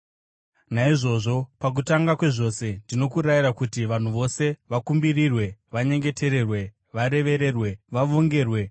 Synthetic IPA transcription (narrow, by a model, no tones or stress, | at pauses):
naiʐo̞ʐo̞pak̬utaŋɡakwe̞ʐo̞se̞ndino̞kuɾaiɾakutiʋan̤uʋo̞se̞ʋakumbirirwe̞ʋaɲe̞ŋɡe̞te̞ɾe̞rwe̞ | ʋaɾe̞ʋe̞ɾe̞ːrwe̞ʋaʋo̞ŋɡe̞ːrwe̞